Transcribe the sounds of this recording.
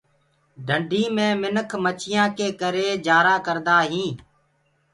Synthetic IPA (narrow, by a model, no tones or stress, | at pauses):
ɖʱəɳɖʱiːmẽːmɪnəkʰmət͡ʃʰɪjãːkeːkəɾeːd͡ʒaːɾaːkəɾd̪aːɦĩː